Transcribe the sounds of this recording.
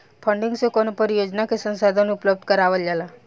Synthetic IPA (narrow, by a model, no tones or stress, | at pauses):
pʰəɳɖiŋɡsekɔnopəɾijod͡ʒnakesənsad̪ʱənʊpləb̚d̪ʱkəɾaʋəld͡ʒala